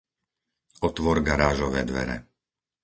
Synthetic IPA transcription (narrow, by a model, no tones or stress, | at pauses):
ɔt̪ʋɔɾɡaɾaːʒɔʋɛːd̪ʋɛ̰ɾɛ̰